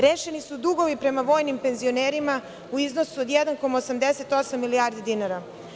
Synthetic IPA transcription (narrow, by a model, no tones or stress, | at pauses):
ɾeːʃenisud̪uɡo̞ʋipɾe̞maʋo̞ːjnimpe̞nzio̞neːɾima | uiznosuod̪jɛd̪anko̞mosamd̪ese̞t̪o̞samːilijaːɾd̪id̪inaɾa